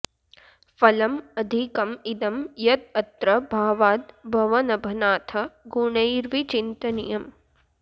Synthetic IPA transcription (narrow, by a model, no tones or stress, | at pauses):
fɐlɐmɐd̪ʱikɐmid̪ɐmjɐt̪̚ɐt̪ɾɐbʱaːʋaːd̪bʱɐʋɐnɐbʱɐnaːt̪ʰɐɡuɳɐjɾʋit͡ʃint̪ɐnḭjɐm